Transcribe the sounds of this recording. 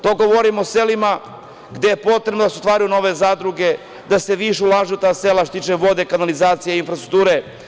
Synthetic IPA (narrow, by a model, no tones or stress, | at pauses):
t̪o̞ːɡoʋoɾimoselima | ɡd̪e̞jepo̞t̪ɾebnod̪aseot̪ʋaːɾujuno̞ʋe̞zaːd̪ɾuɡe̞ | d̪ase̞ʋiʃɛulˠaʒeut̪aːselaʃt̪ot̪it͡ʃeʋo̞d̪e̞kanalizaːt̪sijeinfɾast̪ɾukt̪uːɾe